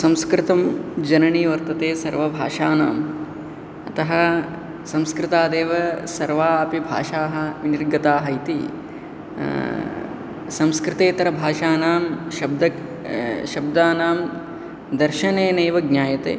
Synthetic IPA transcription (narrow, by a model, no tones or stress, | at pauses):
sɐ̃mskɾɪt̪ɐmd͡ʒɐɾɐɳiːʋɐɾt̪ɐt̪eːsɐɾʋɐbʱaːʂaːna̰ːm | ɐt̪ɐɦɐ | sɐ̃mskɾɪt̪aːd̪eːʋɐsɐɾʋaːɐpibʱa̰ːʃaːɦɐ̆ʋiniɾɡɐt̪aːɦɐjt̪ḭ | sɐ̃mskɾɪt̪eːt̪ɐɾɐbʱaːʃaːnaːmʃɐb̚d̪ɐ | ʃɐbd̪aːnaːm | d̪ɐɾʃɐneːneːʋɐɡnʲaːjɐt̪ḛː